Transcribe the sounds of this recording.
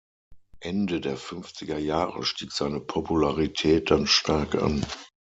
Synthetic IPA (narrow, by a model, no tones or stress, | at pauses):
ʔɛndədeːɐfʏnft͡sɪɡɐjaːʁə̰ʃtiːkz̥aɪnəpʰopʰulaʁitʰɛːt̚d̥anʃtʰaɐkʔa̰n